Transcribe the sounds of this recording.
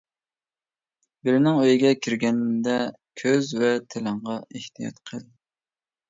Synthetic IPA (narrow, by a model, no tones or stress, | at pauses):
bɪɾɪnɪŋøjɪɡʲɛkʲʰiɾɡʲɛnd̪ɛ | kʲʰøzvɛt̪ʰɪlɨɴʁɑeht̪ʰijɑ̰t̪qʰəl